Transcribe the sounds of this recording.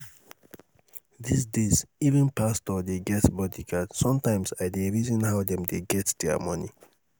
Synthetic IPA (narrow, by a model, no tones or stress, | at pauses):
d̪is̬dezivə̃npastɔd̪eɡɛtsbɔtikadsɔ̃mtãɪ̃msajd̪eɹizɔ̃nhawd̪ɛ̃md̪eɡɛtsd̪ɛ̰mʌni